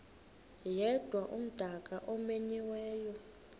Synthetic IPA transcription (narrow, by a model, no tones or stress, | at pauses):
jɛd̥ʱwaʔum̩d̥ʱakʼaʔɔmeɲiwɛːjɔ